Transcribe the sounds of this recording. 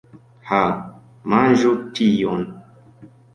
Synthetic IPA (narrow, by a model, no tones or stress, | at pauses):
ha | mãnʒutʰijɔn